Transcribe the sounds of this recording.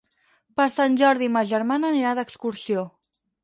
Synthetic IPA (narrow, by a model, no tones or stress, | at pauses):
pəɾsanʲʒɔɾðiməʒəɾmanəniɾaðəkskuɾsio